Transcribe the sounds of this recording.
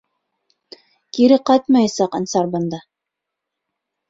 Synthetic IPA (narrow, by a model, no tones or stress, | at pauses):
kiɾɘqɑjt̪mɑjɑsɑqɤ̆nsɑɾbɤ̆nd̪ɑ